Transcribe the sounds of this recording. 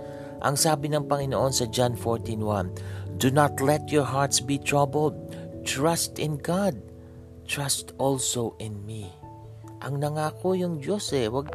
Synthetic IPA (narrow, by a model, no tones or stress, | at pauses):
ʔɐ̰ŋsaːbɪnɐŋpɐŋɪnoʔo̞nsɐd͡ʒanfoɹt̪ĩnwãnd̪unat̪lɛt̪̚jɔɹɦaɹt̪sbit̪ɹabəld̪̚t̪ɹast̪ɪ̃nɡad̪̚ | t̪ɹast̪ʔɔlsowʔɪnmi | ʔɐŋnɐŋaːkojʊŋd͡ʒo̞sɛwɐɡ̚